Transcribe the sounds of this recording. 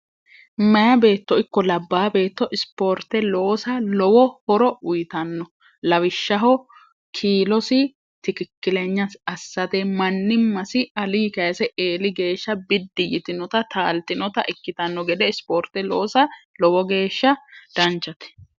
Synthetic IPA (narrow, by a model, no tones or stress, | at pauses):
mɐjɐbe̞ːt̪ːɔɪkːɔlɐbːaːbe̞ːt̪ːɔʔɪspo̞ːɾt̪ːɛlo̞ːsɐlɔwɔhɔɾɔʊjɪt̪ɐnːɔ | lɐwɪʃːɐɦɔ | kʰiːlɔsɪ | t̪ɪkɪkːɪlɛɲːɐsɐsːɐt̪emɐnːɪmːɐsɪɐliːkɐjɐsɛʔeːlɪɡe̞ːʃːɐbɪd̪ːɪjɪt̪ɪnɔt̪ɐt̪ʰaːlt̪ɪnɔt̪ɐʔɪkːɪt̪ɐnːɔɡɛd̪ɛɪspoːɾt̪ːɛlo̞ːsɐlɔwɔɡe̞ːʃːɐd̪̥ɐnt͡ʃːɐt̪ɛ̥